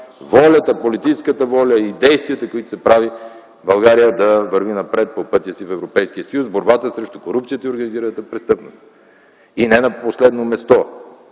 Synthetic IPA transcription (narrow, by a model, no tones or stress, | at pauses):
vɔlʲət̪əpolit̪it͡ʃɛskət̪əvɔlʲəid̪ɛjst̪viət̪əkoit̪ʊ̥sɛpɾavi | bɐlˠɡaɾijəd̪ɐvəɾvinɐpɾɛt̪̚popɤt̪ʲjəsifɛvɾopɛjskijəsɐjusboɾbat̪əsɾɛʃt̪ʊkoɾup̚t̪iət̪əioɾɡɐniziɾənət̪əpɾɛst̪ɤpnost̪ | inɛnɐposlɛd̪nomɛst̪ɔ